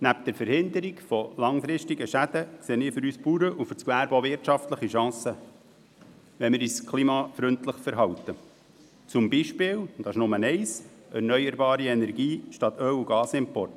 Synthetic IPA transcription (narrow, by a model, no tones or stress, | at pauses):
næp̚d̥̪ɛɾfəɾhɪnd̪əɾiɡfɔlɑŋfɾɪʃtiɡəʃæd̪̥əkseːənɪːɾfʏɾyːspuːɾəʔufʏɾt͡sklæːɾboːʋɪɾtʃɑftləχiʃɑ̃ːsə | ʋɛnmɪːɾiːskʰlimɑfɾʏntləχfəɾɦɑwt̪ə | t͡sʊmbiʃpɪːwd̥̪ɑɪʃnʊmənɛɪs | ɛrnœʏəɾbɑːɾiɛnɛɾɡiːʃtɑt̪œwuɡɑːsɪmpɔrt